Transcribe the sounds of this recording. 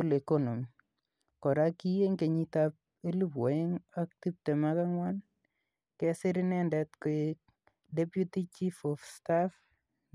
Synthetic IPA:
u˦le˨kɔnɔ˨mi | kɔ˨ɾaki˦je˦ŋke˨ɲitap̚ | e˦lu˦pwɔ˨ɪ˦ŋak̚ti˦p̚tɛ˨ma˦ka˦ŋwan | kɛsɪ˦ɾɪnɛndɛtkɔ˨ | dɛpjuti˦t͡ʃifɔfstaf

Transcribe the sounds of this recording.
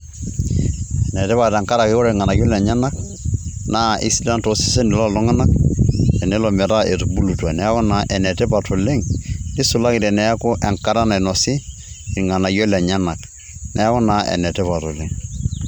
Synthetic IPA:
ɛ˨nɛ˨tɛ˦βa˨ɾɛ˨ŋka˦ɾa˨kɪ˦kɔ˦ɾɛ˨ŋa˨na˨jɔ˦lɛ˨ɲa˦na˦k̚ | na˦i˦si˦la˦nto˨˦si̥˦sɛ˦nɪ˨lɔ˦˨lɔ˦ŋa˦na˦k̚ɛ˨nɛ˦lɔ˨mɛ˨ɾa˦e˨tu˨bu˦lu˨twa˨nɛ˨˦ɔ˦na˨ʔɛ˨nɛ˨tɛ˦pa˨to˨le˦ŋnɪ˦sʊ˨la˦kɪ˨ɾɛ˨nɛ˨˦ko˦ʔɛ˨ŋka˦ɾa˦na˨nɔ˨sɪː˦˨ | ɾŋa˨na˨jɔ˦lɛ˨ɲa˦na˨k | nʔɛ˦kɔ˦na˨ɛ̰˨nɛ˨tɛ˦pa˨tɔ˨le˨ŋ

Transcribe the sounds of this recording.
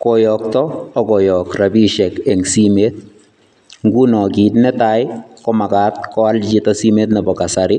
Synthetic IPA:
kɔ˨jɔ˨k̚tɔː˦kɔ˨jɔ˨kra˨bi˦ʃɛ˨kɛ˨ŋsi˦meː˦t̚ | ŋɡu˦nɔ˨ki˨tnɛ˦ta˦jkɔ˦ma˨ka˦t̚kɔ˦a˦lt͡ʃi˦tasi˦me˦t̬nɛ˨bɔ˨ka˨sa˨ɾɪ˦

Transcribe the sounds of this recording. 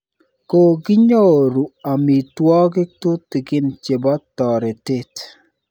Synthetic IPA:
ko˨ɡɪ˦ɲo˦˨ɾu˨a˨mi˨twɔ˦ɡɪ˦tʊ˦tːɪ˨ɡɪ˦nt͡ʃe˨bɔ˦tːɔ˨ɾɛ˨te˦t

